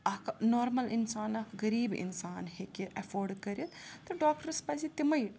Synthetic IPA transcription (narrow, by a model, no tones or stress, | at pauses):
ɐknoːɾmɐlinsaːnɐkɡɐɾiːbḭnsaːnɦekeʔɐfoːɾɖkɐɾjit̪t̪ɐɖaːk̚ʈɐɾspɐsit̪imɐj